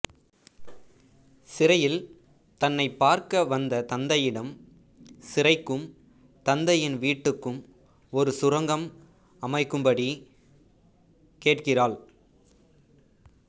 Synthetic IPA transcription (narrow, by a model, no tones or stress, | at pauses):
sɪrɐjɪl | t̪ɐnːɐɪpːaːɾkɐʋɐnd̪ɐt̪ɐnd̪ɐjɪɽɐm | sɪrɐɪkːɯm | t̪ɐnd̪ɐjɪnʋiːʈːɯkːɯm | ɔɾɯsʊɾɐŋɡɐm | ɐmɐɪkːɯmbɐɽi | keːʈkɪraːɭ